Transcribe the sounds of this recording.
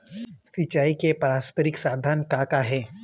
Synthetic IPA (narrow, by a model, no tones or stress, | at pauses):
sɪt͡ʃaːikepɾaːspəɾɪksaːd̪ʱaːnkakaɦɛː